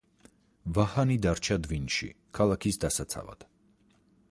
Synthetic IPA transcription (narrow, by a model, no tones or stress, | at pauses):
vahanid̪aɾt͡ʃʰad̪vinʃḭ | kʰalˠakʰisd̪asat̪sʰa̰va̰d̪̥